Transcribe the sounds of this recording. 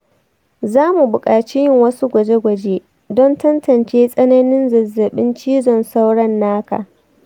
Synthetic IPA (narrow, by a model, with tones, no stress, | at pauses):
zaː˦mu˨bʊ˨kʼaː˨t͡ʃi˦jɪ˦ŋwɐ˦su˦ɡʷɐ˨d͡ʒe˦ɡʷɐ˨d͡ʒeː˦ | dɔ˦ntɐ˦ntɐ˨nt͡ʃeː˦sʼɐ˦nɐ˦nɪ˦nzɐ˨zːɐ˨ɓɪ˦nt͡ʃiː˦zɔ˨nsa˦wɽɐ˦nːaː˦ka̰˨